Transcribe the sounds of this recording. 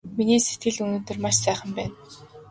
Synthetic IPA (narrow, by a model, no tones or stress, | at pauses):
miniːse̥t̪̚ɡɘ̆ɮɵnoːt̪ɵ̆rmaʃsæːχə̆mpæːn